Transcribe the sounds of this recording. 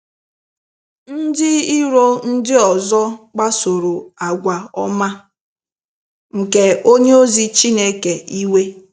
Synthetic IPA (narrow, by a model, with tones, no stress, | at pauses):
n̩˦dɪ˦i˦ɾo˦n̩˦dɪ˦ɔ˨zɔ˦k͡pa˦so˨ɾo˨a˨ɡʷa˨ɔ˦ma˦ | ŋ̩˨ke˨o˦ɲe˦o˦zi˦t͡ʃi˦ne˦ke˨i˦we˦